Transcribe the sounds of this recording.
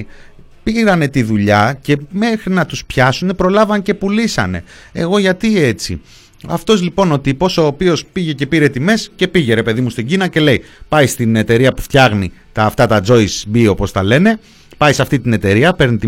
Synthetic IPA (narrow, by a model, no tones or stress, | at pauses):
piɾɐne̞t̪iðuʎɐce̞me̞xɾinɐt̪uspçɐsune̞pɾo̞lɐvɐnce̞pulisɐ̰ne̞̰ | eɣo̞ʝɐt̪ie̞t͡sḭ | ɐ̰ft̪o̞zlipo̞no̞t̪ipo̞so̞ːpio̞spiʝe̞ce̞piɾe̞t̪ime̞sce̞piʝe̞ɾe̞pe̞ðimust̪iɟinɐce̞le̞jpɐjst̪ine̞t̪e̞ɾiɐpuft̪çɐɣnit̪ɐːft̪ɐt̪ɐd͡zo̞isbio̞po̞st̪ɐle̞ne | pɐjsɐft̪it̪ine̞t̪e̞ɾiɐpe̞ɾnit̪i